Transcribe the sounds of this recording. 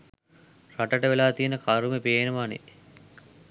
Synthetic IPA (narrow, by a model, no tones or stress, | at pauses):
raʈəʈəʋelaːt̪ijenəkaɾumepeːnəʋanḛ